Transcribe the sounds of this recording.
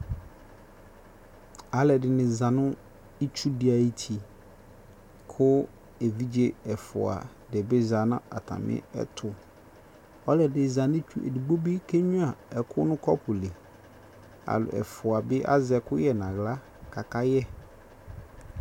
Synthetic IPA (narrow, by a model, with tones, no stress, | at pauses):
a˨lɛ˨dɪ˨nɪ̃˨zã˨nʊ̃˦ | i˦t͡ʃʰu˦dɪ˨˦a˨i˦tʰi˨ | kʰʊ˦ | e˨vi˦d͡ʑe˦ɛ˨fʊ̰˨a̰˨ | dɛ˨bɪ˦za˨nʊ̰̃˦a̰˨tʰa̰˨mɪ̰˦ɛ̰˦tʰʊ˨ | ɔ˦lɛ˨dɪ˨zã˨nɪ̃˦t͡ʃᶣu˦ʔḛ˨di˨ɡ͡bo˦bi˦kʰe˦ɲũ˦a˨ɛ˨kʰʊ˦nʊ̃˦kʰɔ˦pʰʊ˨le˨ | a̰˨lʊ̰˨ɛ̰˨fʊ˨a˨bɪ˦ʔa̰˦zɛ˨kʊ˦jɛ˨nã˨ɣla˦ | kʰa˨ka˦jɛ˦